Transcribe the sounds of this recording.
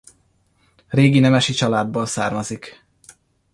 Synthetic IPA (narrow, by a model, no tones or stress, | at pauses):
reːɡinɛmɛʃit͡ʃɒlaːd̪̚boːlsaːrmɒzik